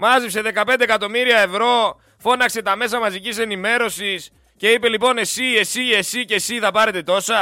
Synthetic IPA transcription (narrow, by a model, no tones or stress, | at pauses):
mɐzipse̞ðe̞kɐpe̞nd̪ekɐt̪o̞miɾiɐe̞vɾo̞ | fo̞nɐkse̞t̪ɐme̞s̬ɐmɐzicise̞nime̞ɾo̞sis | ce̞ipe̞lipo̞ne̞sie̞sie̞sicesiθɐpɐɾe̞t̪e̞t̪o̞sɐ